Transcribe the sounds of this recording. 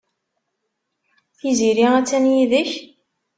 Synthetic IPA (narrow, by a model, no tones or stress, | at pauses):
θiziɾiʁæt͡sːænjiðəç